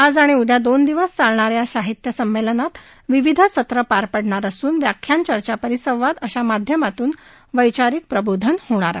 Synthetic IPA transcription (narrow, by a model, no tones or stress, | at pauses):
ad͡zaɽ̃iud̪ʱjad̪ond̪iʋəst͡saɭɳaɾjaɕaɦit̪jəsəmːelənat̪ | ʋiʋid̪ʱəsət̪ɾəpaɾpəɽɳaɾəsuːnʋjakʰːjant͡ɕəɾt͡ɕapəɾisə̃w̃ʋad̪əɕamad̪ʱjəmat̪uːn | ʋəjt͡ɕaɾik̚pɾəbod̪ʱənhoɽ̃aɾ